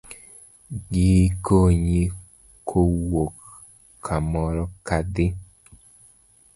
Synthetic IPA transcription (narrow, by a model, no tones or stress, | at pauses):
ɡɪkoɲi | kʰowokːʰ | amɔɾɔkadɪ